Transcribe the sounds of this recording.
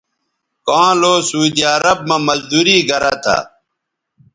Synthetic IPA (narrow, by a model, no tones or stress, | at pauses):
kãːloːsuːd̪iɐɾɐb̚mamɐzd̪uːɾiːɡʱɐɾat̪ʰa̰